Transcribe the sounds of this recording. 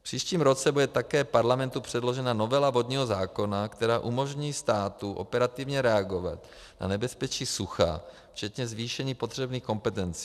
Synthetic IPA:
fpr̥iːʃciːmɾo̞t͡sɛbudɛt̪akɛːpaɾlamɛnt̪upr̝̥ɛdlo̞ʒɛnano̞vɛlavo̞d̪ɲiːɦo̞zaːko̞nakt̪ɛɾaːʔumo̞ʒɲiːst̪aːt̪uʔo̞̰pɛɾat̪ivɲɛɾɛaɡo̞va̰t̪ | na̰nɛbɛspɛt͡ʃiːsuxa̰ | ft͡ʃɛt̪ɲɛzviːʃɛɲiːpod̪r̝̥ɛbniːxko̞mpɛt̪ɛnt͡si̥ː

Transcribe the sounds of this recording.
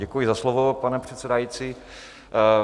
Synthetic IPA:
ɛkujɪzaslovopanɛpr̝̥ɛt̪sɛdajit͡siː

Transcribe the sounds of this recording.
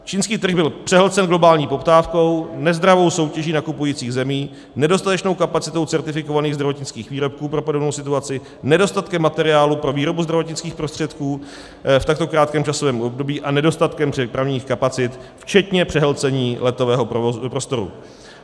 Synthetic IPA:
t͡ʃiːnskiːt̪r̩ɣbɪlpr̝̥ɛɦlt͡sɛnɡlo̞baːlɲiːpo̞pt̪aːfko̞wnɛzd̪ɾavo̞wso̞wcɛʒiːnakupujiːt͡siːɣzɛmiː | nɛdo̞st̪at̪ɛt͡ʃno̞wkapat͡sɪt̪o̞wt͡sɛɾt̪ɪfɪko̞vaniːɣzd̪ɾavo̞t̪ɲɪt͡skiːxviːɾo̞p̚kuːpɾo̞podonowsɪt̪uat͡sɪ | nɛdo̞st̪at̪kɛmːat̪ɛɾɪaːlupɾo̞viːɾo̞buzd̪ɾavo̞t̪ɲɪt͡skiːxpɾost̪r̥ɛt̪kuː | ft̪ak̚t̪o̞kɾaːt̪̚kɛːmt͡ʃaso̞vɛːmʔo̞bdo̞biːʔanɛdo̞st̪at̪kɛmɛpɾavɲiːxkapat͡sɪt̪ft͡ʃɛt̪ɲɛpr̥ɛɦlt͡sɛɲiːlɛt̪o̞vɛːɦopɾost̪o̞ɾṵ

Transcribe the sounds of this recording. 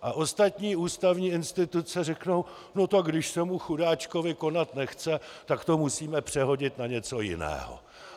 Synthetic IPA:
ʔaʔo̞st̪at̪ɲiːuːst̪avɲiːɪnst̪ɪt̪ut͡sɛrɛkno̞w | no̞t̪akɡdɪʃsɛmuxudaːt͡ʃko̞vɪko̞nat̪nɛxt͡sɛt̪akt̪o̞musiːmɛpr̝̥ɛɦo̞ɟɪt̪naɲɛt͡so̞jɪ̰nɛ̰ːɦo̰

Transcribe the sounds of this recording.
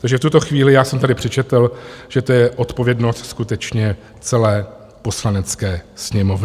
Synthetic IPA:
t̪aɡʒɛft̪ut̪o̞xviːlɪjaːsɛmt̪adɪpr̝̥ɛt͡ʃɛt̪lʒ̥ɛt̪ojɛʔo̞t̪povjɛdno̞st̪skut̪ɛt͡ʃɲɛ | t͡sɛlɛː | po̞slanɛt͡skɛːsɲɛmo̞vnɪ

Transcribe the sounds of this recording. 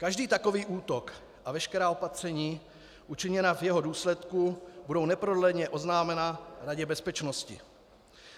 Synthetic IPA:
kaʒdiːt̪ako̞viːʔuːt̪o̞k | ʔavɛʃkɛɾaːo̞pat̪r̝̥ɛɲiː | ʔut͡ʃɪɲɛnavjɛɦoduːslɛt̪kubudo̞wnɛpɾodlɛɲɛʔo̞znaːmɛnaɾaɟɛbɛspɛt͡ʃnoscɪ̰

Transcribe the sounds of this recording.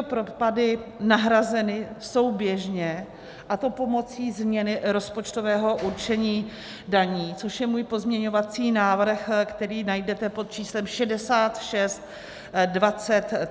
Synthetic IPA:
opɾopadɪnaɦɾazɛnɪso̞wbjɛʒɲɛ | ʔat̪o̞po̞mo̞t͡siːzmɲɛnɪɾo̞spo̞t͡ʃt̪o̞vɛːɦo̞ʔuɾt͡ʃɛɲiː | daɲiːt͡soʃjɛmuːjpo̞zmɲɛɲo̞vat͡siːnaːvr̩xkt̪ɛɾiːnajdɛt̪ɛpo̞t̪̚t͡ʃiːslɛmʃɛdɛsaːt̪ʃɛst̪ | dvat͡sɛt̪

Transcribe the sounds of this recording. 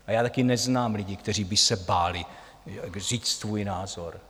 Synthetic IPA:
ʔajaːt̪akɪnɛznaːmlɪɟɪkt̪ɛriːbɪsɛbaːlɪ | riːt͡st̪vuːjnaːzo̞ɾ

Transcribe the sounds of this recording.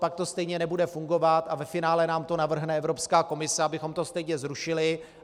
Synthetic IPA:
pak̚t̪o̞st̪ɛjɲɛnɛbudɛfuŋɡo̞vat̪avɛfɪnaːlɛnaːmt̪o̞navr̩ɦnɛɛvɾo̞pskaːko̞mɪsɛabɪxo̞mt̪o̞st̪ɛjɲɛzɾuʃɪlɪ

